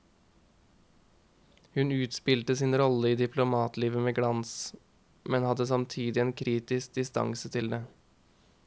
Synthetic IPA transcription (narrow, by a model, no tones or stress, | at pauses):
hʉnʉːt̪spɪlt̪əsinɾɔləiːd̪ɪpʰlʊmɑːt̪liːʋəmeːɡɽɑns | mɛnhɑd̪əsɑmt̪ʰiːd̪ɪeːnkʰɾiːt̪ɪsk̚d̪ɪst̪ɑ̰ŋsət̪ʰɪld̪eː